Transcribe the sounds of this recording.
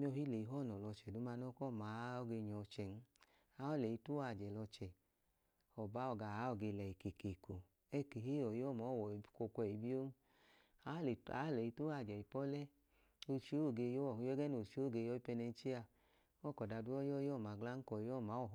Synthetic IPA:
mi˦ɔ˧hi˦le˨i˨˦ɦɔ˦˨nɔ˨lɔ˧t͡ʃɛ˨du˨˦ma˧nɔ˦kɔ˦˨ma˨˦ɔ˦ɡe˧ɲɔ˨˧t͡ʃɛ˨n̩˦ | a˦ɔ˦˨le˨i˧tu˦a˧˨d͡ʒɛ˨lɔ˧t͡ʃɛ˨ | ɔ˨ba˨˦ɔ˧˨ɡa˧˨a˨˦ɔ˧˨ɡe˧lɛ˨i˨ke˨ke˨ko˨ | ɛ˦˨ke˨ɦi˦ɔ˨jɔ˦˨mɔ˨˦˨wɔ˨ko˧kʷɛ˧˨i˨bi˦o˦ | a˨˦˨a˨˦lɛ˨i˧tu˦a˧˨d͡ʒɛ˨i˨pɔ˦lɛ˦ | o˧t͡ʃi˦o˦˨ɡe˧jɔ˦˨˧jɛ˦ɡɛ˦no˨t͡ʃi˦o˦˨ɡe˧jɔ˦i˦pɛ˧nɛ˧n̩˦t͡ʃe˦a˧ | ɔ˦˨kɔ˨da˧du˦ɔ˦jɔ˦jɔ˦˨ma˨ɡla˦ŋ̩˦kɔ˨˦ɔ˦˨ma˨˦ɔ˨

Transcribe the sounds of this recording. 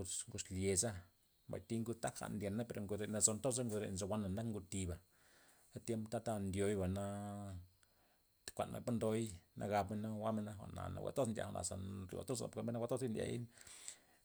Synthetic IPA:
u˧t͡sŋɡu˧slje˨za˦ | mba̰˨jt̪i˦ŋɡu˧t̪a˦kxa̰˧ʔnd̪je˨nːa˦pe˧ɾo˨ŋɡu˧d̪e˧˨na˧zo˧nt̪o˦a˦ŋɡu˧d̪ɾḛ˧˨nzo˧wʷa˦nːa˨nd̪a˦kŋɡu˧t̪i˧ba˨ | d̥a˦t̪je˦mpt̪a˦t̪a˦nd̪jo˧jba˨na˧ | t̪kʷa̰˨nmʔa̰˨pa˦nd̪o˧jnʔa̰˧ɡa˧pme˧na˦˧wa˦me˧na˧xʷa̰˨ʔna̰˨na̰˨wʷḛ˨t̪o˦nd̪ʲja̰˨a˧nʔa̰˨sa˨ɾṵ˨a̰˨t̪o˦sa̰˨po˨ke˧be˦na˦wʷa˦t̪o˦i˦nd̪ʲja̰˧˨jḭ˦n

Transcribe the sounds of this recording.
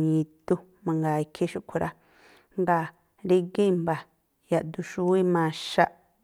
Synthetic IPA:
ɲĩ˨t̪u˧ | mã˧ŋɡa˨i˨˧kʰe˦ʃu˦ʔkʷʰu˧ɾʔa˦ | ŋɡa˧˨ | ɾi˧ɡe˦˨mba˨ | ja˨ʔd̪u˧ʃu˧˦wi˦mã˨˧ʃa˦ʔ

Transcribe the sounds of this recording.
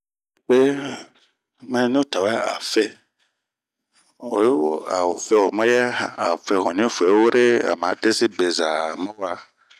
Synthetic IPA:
be˦ | mɛ̃˦nĩ˦o˦ta˨wa˦a̰˨fɛ˦ | o˨jwɔ˦a̰˨wo˨fɛ˦wo˨mã˦jɛ˦˨a˨fɛ˨ɦɔ̃˨nĩ˦fu˨ɛ˨˦wo˦ɾe˦a̰˨m˨ã˨˦de˦si˦be˨za˨mɛ̃˦wa˦

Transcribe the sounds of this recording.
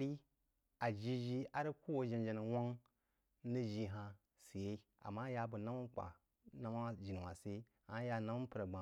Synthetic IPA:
ɾi˦ | a˨d͡ʒi˦ʒi˦a˨ɾi˦ku˦wo˦d͡ʒi˨nd͡ʒe˨ni˨wa˦ŋ | ni˦ʒi˦ɦa˨ | si˨je˦ | a̰˨ma˦ja˨bu˨na˦ma˦n˦k͡pʷa̰˨ | na˦ma˦d͡ʒi˨n˨wa˨se˦˨ha˦ja˨na˦mu˦pu˨ɾa˨ɡ͡ba˨

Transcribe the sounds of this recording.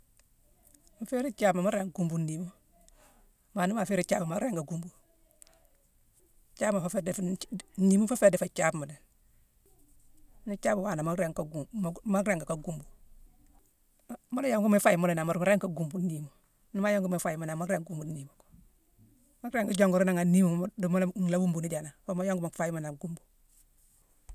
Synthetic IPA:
ma˨fe˦ɾi˦t͡ʃa˦pma˨ma˦ɾe˨ŋɡu˨mbu˨ni˨mo˦ | ma˨ni˦ma˨fe˦ɾi˦t͡ʃaː˦ba˨ma˦ɾe˦ŋka˨ɡu˦mbu˨ | t͡ʃa˦bma˨fa˦fedni˦mu˦fa˦feː˦de˨fa˨t͡ʃa˦bma˨de˨n | ni˦t͡ʃa˦bu˨wa˨na˨ma˦ɾe˨ŋka˨ɡma˦ɾe˦˨ŋɡa˨ka˨ɡu˦˨mbu˨ | mo˦ljo˦ŋɡu˦me˦fa˦ji˨mo˦le˨na˨ma˨ɾma˦ɾe˦ŋka˨ɡu˨mbu˦ni˨mu˨ | ni˦ma˦jo˦ŋɡu˦me˨fa˨ji˨ma˨na˨ma˦ɾe˦ŋɡu˦mbu˨n˦ni˨mu˨k | ma˦kɾe˦ŋɡu˦ɟo˦ŋɡu˨ɾi˦na˨ŋa˨ni˦mu˨dmo˦lŋla˦wu˦mbu˨ni˦ɟa˨na˨fa˦ma˦jo˦ŋɡma˨fa˦ji˦ma˨na˨ɡu˦mbu̥˨

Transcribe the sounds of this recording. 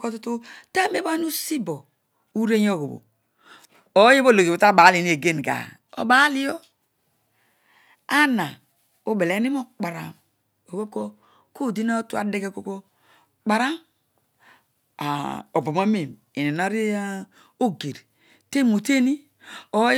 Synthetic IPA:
ko˦tu˦tu˦ta˦me˦ba˦n˦u˦si˦bo˨ | u˦ɾe˦ɲ˦o˦˨ɡo̰˨bo̰˨ | o˨˦je˦bo˦lo˨ɡe˨o˨ta˦˨ba˨˦li˨ni˦e˨ɡe˦n˨ɡa̰˨ | o̰˨ba˨˦li˦jo˦ | a˦na˨ | o˦be˨le˨˦ni˦mo˦k͡pa˨ɾa̰˨m | o˨ɡo˦b̚ko˦ | ko˦˨di˦na˦tu˦a̰˨˦de˦ɡe˦ko˦ko˦ | k͡pa˨ɾa˦m | a̰˨o˨bo˨ma˦me˨m | i˨ne˨na˦ɾi˦a˦ | o˦ɡe˨ɾ | te˦mo˨te˦ni˦ | o˨˦

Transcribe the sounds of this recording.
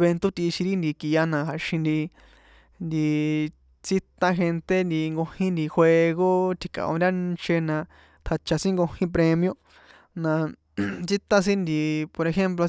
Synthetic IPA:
βe˧nt̪o˦t̪i˧ʃĩ˧ɾi˦nd̪i˧ki˧ja˧nã˧ɦa˨ʃĩ˧nd̪i˧ | nd̪i˧ | t͡si˦t̪ã˧xe˧nt̪e˦nd̪i˧ŋɡo˧hĩ˦nd̪i˧xʷwʷe˧ɣo˦t̪ʰi˧kã̰˧ʔõ̰˧nɾʲa˦nt͡ʃe˧nã˧ | t̪ʰa˧t͡ʃa˧sĩ˦ŋɡo˧hĩ˦p̬ɾe˧mj̃õ˧ | nã˧ | t͡si˦t̪ã˦s̬ĩ˦nd̪i˧po˧ɾe˧xe˦mplo˧

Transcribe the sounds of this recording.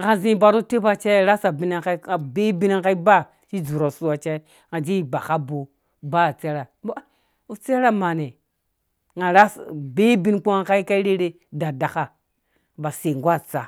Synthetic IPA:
ɡa˨zĩ˦ba˨ɾo˦te˦ba˨t͡ʃa˦˨ɾa˦sa˨bi˦na˨ka˦i˦a˨be˦bi˦na˦ka˦i˦ba˦˨ | t͡ʃi˦zu˨ɾo˨su˦a˨t͡ʃa˦ | ŋa˨d͡ʒi˦i˨ba˨ka˦bo˨ | ba˦˨t͡se˦ɾa˨bo˦ | u˨t͡se˦ɾa˦ma˨ne˨ | ŋa˨ɾa˦sbe˦bi˦nk͡pu˦ŋa˨ka˦i˦ka˦i˦ɾe˦ɾe˦ | da˨da˨ka˦˨ | ba˨se˨ŋɡʷa˦˨t͡sa˨

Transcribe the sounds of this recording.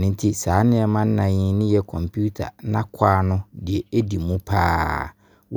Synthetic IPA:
nɪ̃˦n˦tʰi˦saː˨˦nɪ̃˦ɛ˨mã˦n̩˦nã˨ɲɪ̃˦nɪ̃˦jɛ˦kʰɔ̃˨mpʰu˦tʰa̰˨nã˦kʷʰaː˦nʊ̃˦dɪ˨ɛ˨e˦di˨mũ˦pʰa̰ː˦ | w

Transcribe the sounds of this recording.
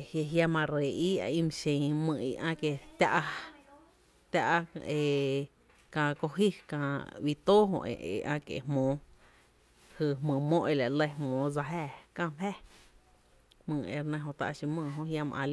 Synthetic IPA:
hje˧ɦja˦mã˧ɾe˨ʔiː˦a̰˧ĩ˦˧m̃˧ʃẽ˧˨mɨ̃ː˧˨ḭ˧ʔã˦˧ke˧˨t̪ʲa˦ʔa˧ | t̪ʲa˦ʔe˧ | kã˧˨ko˧ɦi˦kã˧wi˧t̪oː˦ɦõ̰˧ʔḛ̃˧ḛ˧˨ʔã̰˧kḛ˨mõː˨˦ | hɨ˧˨ɦmõː˨mõ˦ʔe˧la˨lə˧˦hmõː˨˦d͡za˧ɦæː˦˧˨kã˦˧hɛ˦ | mɨ̃ː˧˨ḛ˧ɾnẽ˧ɦõ˧t̪a̰˧ʔʃĩ˧mɨ̃ː˧˨ɦõ˧hja˧mã̰˧ʔã̰˧l

